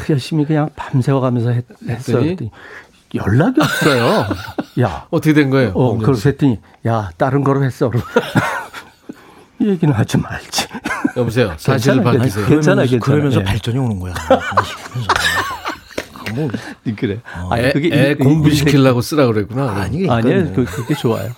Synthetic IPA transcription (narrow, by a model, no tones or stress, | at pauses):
jʌɭɕ͈imikɯɲaŋpamsʰe̞wʌɡamjʌnsʰʌɦehes͈ʌjoit͈eɲi | jʌ̰ɭːaɡiʌp̚s͈ʌjoja̰ʌtʰʌkʰedwenɡʌejoʌkɯɾʌsʰet͈ʰɯɲi | jat͈aɾɯnɡʌɾohes͈ʌɾ | ijeɡinɯnɦad͡ʑimaɭt͡ɕ͈i̥ʌmʌs̬ʰe̞josaɕʰiɾɯɭpak͈ːis̬ʰejoeanaekɯɾʌmjʌnsʰʌpaɭt͡ɕ͈ʌɲionɯnɡʌjaikʰmjʌnsʰʌ | mkɯɾea̰ɲkɯɡeekoŋbiɕʰikʰiɭːaɡos͈ɯɾaɡɯɾɦe̞k͈unaaɲiɲkkɯɾʌket͡ɕoa̰jo